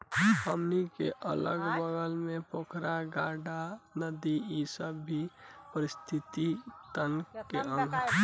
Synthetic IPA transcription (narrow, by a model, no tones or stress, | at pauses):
həmnikḛʔələɡbəɡəlmepokʰɾaɡaɖanəd̪iːsəbːʱipəɾist̪ʰit̪it̪ənkeə̃ŋɡʱ